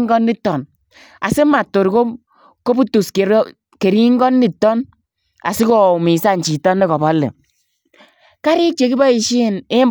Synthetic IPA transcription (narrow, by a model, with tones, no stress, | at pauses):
ŋ˦ɡɔ˦ndi˦tːɔ˨n | a̰˨se˦ma˨tːo˨ɾko˦ | ko˦pu˦tu˨ske˨˦ | ke˨ɾi˦ŋ˦ɡɔ˦nːi˦˨tːɔ˦n | a̰˨si˦kɔ˨mi˨sa˦n˨t͡ʃi˨tɔ˦nːɛ˦kɔ˨bɔ˦lːḛ˨ | ka˦ɾi˦t͡ʃe˨ki˦bɔ˦i˨ʃi˦˨ne˦m